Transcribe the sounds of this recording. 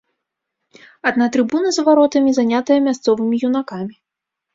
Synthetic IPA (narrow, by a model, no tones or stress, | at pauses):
ɐd̪nat̪ɾɨbunɐzvaɾɔt̪ɐmʲizanʲat̪ɐjɐmʲast̪sɔvɨmʲijunakamʲi